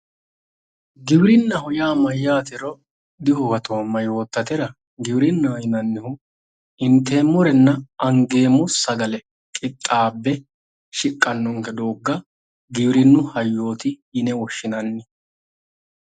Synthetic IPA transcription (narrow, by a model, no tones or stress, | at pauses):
ɡɪwɾɪnːɐhɔjaːmɐjːaːt̪ɪɾɔ | d̪ɪhɔwɐt̪o̞ːmːɐjo̞ːt̪ːɐt̪ɛɾɐ | ɡɪwɾɪnːɐjɪnɐnːɪhʊ | ɪnt̪ːe̞ːmːɔɾɛnːɐɐŋɡe̞ːmʊsɐɡɐlɛ | kʼɪt̪ʼːaːbːɛ | ʃɪkʼːɐnːɔŋkɛd̪oːɡːɐ | ɡɪwɪɾɪnːʊhɐjːo̞ːt̪ɪjɪnɛwɔʃːɪnɐnːɛ